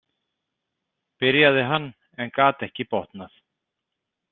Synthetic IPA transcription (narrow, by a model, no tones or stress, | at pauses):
pɪɾjaðɪɦanː | ɛnkaːt̪ɛhcɪpɔht̪naθ